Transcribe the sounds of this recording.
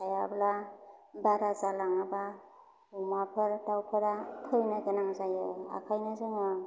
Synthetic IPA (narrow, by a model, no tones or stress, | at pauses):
kʰajablabaɾazalaŋaba | umapʰɯɾdawpʰɯɾakʰɯjnaɡɯnaŋzajɯa̰kʰajnazɯŋɯ